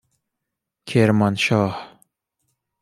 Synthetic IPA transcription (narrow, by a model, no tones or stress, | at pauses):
kʰeɾmanʃɑːh